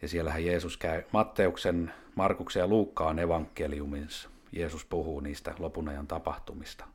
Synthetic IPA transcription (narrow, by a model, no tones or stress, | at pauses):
jɑsielːæhæjeːsuskæymɑt̪ːeuksen | mɑrkuksejɑluːkːɑːneʋɑŋkːeliumins | jeːsuspuhuːniːst̪æ̰lopunɑjɑnt̪ɑpɑht̪umist̪ɑ̥